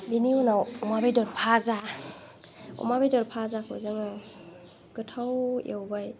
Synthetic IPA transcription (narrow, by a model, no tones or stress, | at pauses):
biniunawɔmabedɔɾpʰaza | ɔ̰mabedɔɾpʰazakʰɯ̰zaŋa | ɡ̥ɯtʰawjḛwbaj